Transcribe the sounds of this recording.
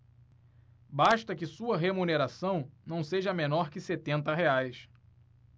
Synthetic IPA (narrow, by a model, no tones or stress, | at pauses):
baʃt̪ɐkɪsuɐɦemuneɾasɐ̃w̃nɐ̃w̃seʒɐmẽnɔɾkɪset̪ẽnt̪ɐɦeajs